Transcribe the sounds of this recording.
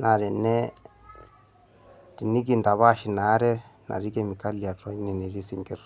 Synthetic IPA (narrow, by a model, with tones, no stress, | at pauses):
na˨ɾe˨ne˦ | di˨ni˦ɡi˨nda˨βa˦ʃi˨na˨˦ɾe˦na̰˨ɾi˦ɡe˦˨mi˨ka˦lja˨ɾo˦ni˨ni˨ɾi˦si˨ŋɡe˦ɾ